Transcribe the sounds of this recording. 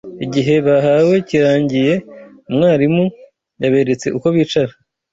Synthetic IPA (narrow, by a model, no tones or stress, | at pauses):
iɟiɦe̞βaɦawe̞ciɾaːɲɟije̞ | umŋaːɾimu | jaβe̞ɾe̞t͡se̞̰ʔuko̞βiːt͡ʃaɾa